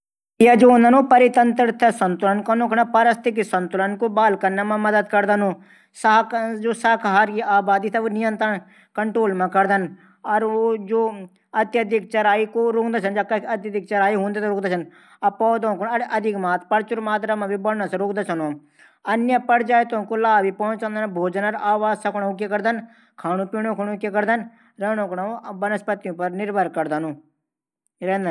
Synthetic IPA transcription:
jaːd͡ʒoːʊnd̪ənoːpəɾɪt̪ənt̪əɾt̪ʰəsənt̪ʊlənkənõːkɽ̃aːpaɾəst̪ɪksənt̪ʊlənkobaːlkəɾnaːmãməd̪əd̪kəɾd̪ənõː | sad͡ʒoːsaːkʰɦaːɾkiaːbaːd̪iːt̪ʰɛʋoːnɪjə̃nt̪ɾəɳ | kəɳʈɾoːlmãːkəɾd̪ən | ɔɾoːd͡ʒoː | ət̪jəd̪ɪk̚t͡ʃəɾaːikoːɾʊkd̪aːt͡ʃʰənd͡ʒakət̪jəd̪ɪk̚t͡ʃəɾaːiɦõːnd̪eːt̪ːɾʊːkd̪aːt͡ʃʰən | ɐpɔːt̪õːkonɐɽʔɐd̪ʱɪkmaːt̪pəɾt͡ʃʊɾmaːt̪ɾamãːbibəɽnõsẽɾoːkd̪aːt͡ʃʰɐno | ənjəpəɾd͡ʒaːɪt̪õːkolaːbipɔ̃ːt͡ʃãːnd̪ənbʱoːd͡ʒənəɾaːʋaːzsɐkʰːɽʊk̬jekəɾd̪ən | kʰaːnũːpiːɽõːkʰʊnːkjekəɾd̪ən | ɾɛːnõːknãobənəspət̪ːijũpəɾnɪɾbʱəɾkəɾd̪ənõː | ɾɛ̃ːnd̪

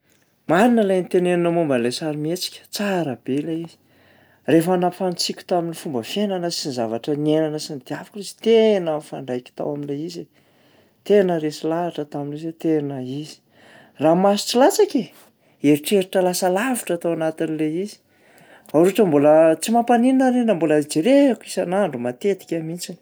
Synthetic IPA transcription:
maninəlajnit̪enenunəmumbənlesaɾimet͡si̥kʲə̥t͡saɾəb̥eleiz̥i̥ | refanapfant͡sikʲu̥t̪aminifumbəfenanəsinizavaʈ͡ʂənienanəsind̪̥iafakurizi̥t̪enəfaɳɖ͡ʐajkʲi̥t̪a̰waminleize | t̪enəɾesilaaʈ͡ʂət̪aminezet̪enəiz̥i̥ | ramasu̥t͡silat͡sakʲe | eɾiʈ͡ʂeɾiʈ͡ʂəlasəlavi̥ʈ͡ʂat̪awanat̪inileizi̥ | aɾuʈ͡ʂəmbolət͡simapanininaɾenamboləid͡ʒiɾekisanaɳɖ͡ʐumat̪et̪i̥kʲamint͡sini̥

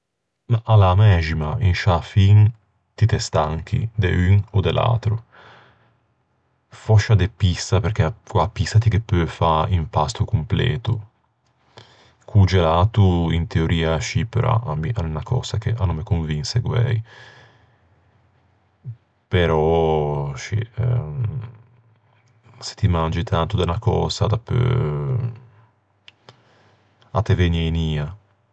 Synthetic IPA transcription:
maʔalamɛʒimainʃafin | t̪it̪est̪aŋk̟ʰḭd̪ḛyŋod̪elʔa̰t̪ɾu | fɔʃːad̪epist̪apeɾkeakwapist̪at̪ikepːøːfaimpast̪ukumplḛːt̪u | kʰud͡ʒelaːt̪uint̪eoɾʔiːaʃipøɾʔɔ̰ʔamiʔanunakʰɔ̰ːz̥ak̟eʔanːomekoɱvinseɡwɛ̰j | peɾɔ | ʃḭ | se̥t̪imand͡ʒit̪ʰant̪ud̪anakɔ̰ːzad̪apːø̰ | at̪eveneniːa

